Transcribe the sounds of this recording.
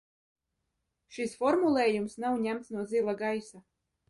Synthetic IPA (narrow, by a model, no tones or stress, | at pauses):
ʃisfɔɾmulˠeːjumsnawɲæmt̪snuɔd̪zilˠaɡajsa